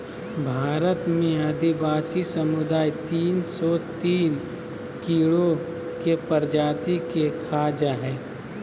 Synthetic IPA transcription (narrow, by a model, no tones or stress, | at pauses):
bʱaːɾət̪mẽɐd̪ɪbaːsisɐmʊd̪aːit̪iːnsɔt̪iːn | kiːɭo | kepəɾd͡ʒaːt̪ikekʰaːd͡ʒaɦɛː